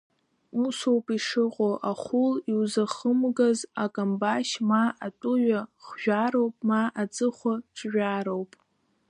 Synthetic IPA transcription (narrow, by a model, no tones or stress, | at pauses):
musowpʼiʂɨqʼoʔaχʷʊliwzaχəmɡazakʼambaʃmaatʼʊɥʷᶣaχʒᶣaɾowpʼmaʔad͡zʼɨχʷaʈ͡ʂʼʒʷᶣaːɾowpʼ